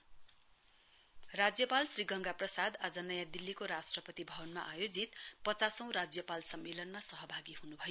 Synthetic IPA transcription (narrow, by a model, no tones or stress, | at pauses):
rad͡zjʌpalsriɡʌŋɡaprʌsad̪ad͡zʌnʌjad̪ilːikoɾasʈrʌpʌt̪ibʱʌbʌnmaʔajod͡zit̪pʌt͡sasʌ̃w̃ɾad͡zjʌpalsʌmːelʌnmasʌɦʌbʱaɡiɦunubʱʌjo